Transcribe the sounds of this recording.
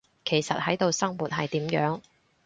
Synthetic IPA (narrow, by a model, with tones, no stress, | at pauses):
kʰe˨˩jsɐ˨t̚hɐ˨˥jt̪o˨˧wsɐ˥ŋmuː˨t̚hɐ˨jt̪iː˨˥mjœː˨˥ŋ